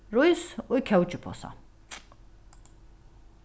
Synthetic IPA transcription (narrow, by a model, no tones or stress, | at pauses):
ɾɔisukʰɛwt͡ʃʼipʰɔ̰sa̰